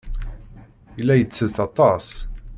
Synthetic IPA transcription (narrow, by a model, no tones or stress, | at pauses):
ilːæjət͡sːəðθɑt̪ˤɑs